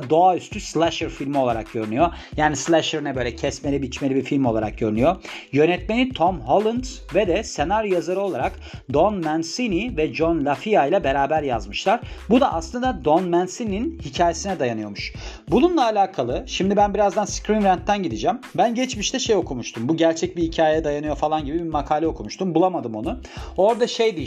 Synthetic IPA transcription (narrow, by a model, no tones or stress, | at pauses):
d̪o̞ayst̪ʰyslʲˠæʃɛɾfilʲmio̞lˠaɾak̚ɟø̞ɾynyjo̞ | jaːnislʲˠæʃɛɾnɛbø̞ːlʲɛcʰɛsmelʲibit͡ʃme̞lʲibifilʲmolˠaɾak̚ɟøɾynyjojø̞nɛt̪me̞nit̪ʰomɦolˠɯnd̪z | vɛd̪ɛse̞naɾujazaɾɯo̞lˠaɾak | d̪onmænsinivɛd͡ʒonlʲafijajlʲˠɛbe̞ɾaːbæɾjazmɯʃlˠaɾbud̪a̰ʔa̰slˠɯnd̪ad̪onmænsinininhicʰaːje̞sinɛd̪ajanɯjo̞muʃbununlˠaːlʲaːkʰalˠɯʃimd̪ibænbiɾazd̪anskɾinɾænt̪ːænɟid̪id͡ʒɛmbænɟɛt͡ʃmiʃt̪ʰɛʃejo̞kʰumuʃt̪ʰumbuɟæɾt͡ʃʰɛc̚bihicʰaːjejɛd̪ajanɯjo̞falˠanɟibibimakʰaːlʲɛo̞kʰumuʃt̪ʰumbulˠamad̪ɯmo̞nuo̞ɾd̪aʃejd̪i